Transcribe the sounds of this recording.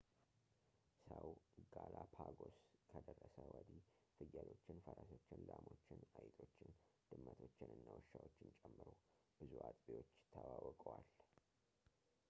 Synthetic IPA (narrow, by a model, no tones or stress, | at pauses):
səwɡalapʰaɡo̞skʰəd̪ərːəsəwəd̪i | fɨjːəlo̞t͡ʃːɪnfəɾaso̞t͡ʃːɪnlamo̞t͡ʃːɪnajt̪ʼʰo̞t͡ʃːɪnd̪̥ɨmːət̪ʰo̞t͡ʃːɪnɨnːawɨʃːawot͡ʃːɪnt͡ʃʼɛmːɨɾob̥ɨzuʔat̪ʼbejwo̞t͡ʃːjɪt̪ʰːəwawɔkʼəwal